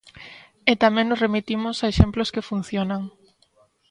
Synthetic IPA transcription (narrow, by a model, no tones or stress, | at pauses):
et̪amẽŋnosremit̪imʊsaeʃemploskefun̟θjonaŋ